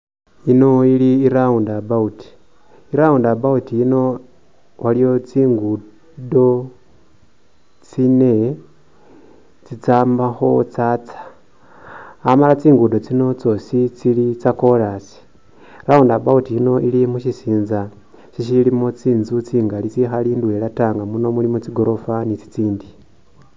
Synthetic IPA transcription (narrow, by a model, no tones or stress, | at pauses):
ino̞iliːɾaundabauti̥ | iɾaundabautiino̞ | walijo̞t͡siːŋɡu | do̞ | t͡sine | t͡sit͡saːmbaxo̞t͡sat͡sḁ | amalat͡siːŋɡudo̞t͡sino̞t͡so̞sit͡silit͡sako̞lasi̥ | ɾaondabautiino̞ʔilimuʃisiːnza | siʃilimot͡siːnzut͡siːŋɡalit͡sixaliːndwelataːŋɡamuno̞mulimut͡siɡo̞ɾo̞fanit͡si̥t͡siːndi